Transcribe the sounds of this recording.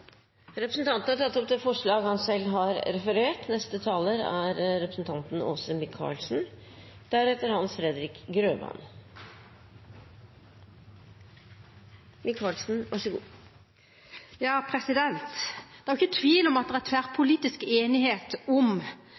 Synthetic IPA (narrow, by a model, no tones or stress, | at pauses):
ɾɛpɾəsn̩t̪ʰɑnt̪n̩hɑʈʰɑt̪ːɔp̚d̪ɛfɔʂɭɑːɡhɑnsɛlːɦɑɾɾɛfəɾeːʈnɛst̪ət̪ʰɑːləɾæɾɾɛpɾəsn̩t̪ʰɑnt̪n̩ɔ̰səmɪkʰːɑ̰ːɭsn̩d̪̥æɾɛt̪əɾhɑnsfɾɛd̪ɾɪkɡɾøːmɑ̰n | mɪkʰɑːlsn̩ʋɑʂəɡ | jɑːpʰɾɛsɪd̪ɛnt̪d̪̥ɛæɾɪçːət̪ʰʋiːlɔmɑt̪̚d̪ɛʁæt̪ʰʋæʁpʰʊliːt̪ɪskeːnɪheːt̪ɔm